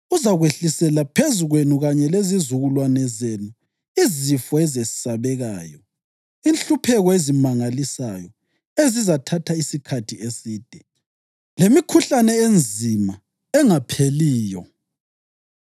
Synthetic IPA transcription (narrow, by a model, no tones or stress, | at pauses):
uzaɣweɬisɛlapʰezuɣwenuɣaɲɛlezizuɣulwanɛzenu | izifɔɛzesi̥saβɛɣa̰ːjɔ | inɬupʰɛɣɔezimaŋalisa̰jɔ | ezizatʰatʰaisikʰatʰiesiːd̥ʱɛ | lemikʰuɬanɛend͡zʱima | ɛŋapʰeliːjɔ̰